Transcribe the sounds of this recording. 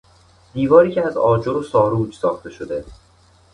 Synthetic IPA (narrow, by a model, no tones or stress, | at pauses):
d̪̥iːvɒːɾiːcʰeæzɒːd͡ʒoɾosɒːɾuːd͡ʒsɒːxt̪e̞ʃod̪e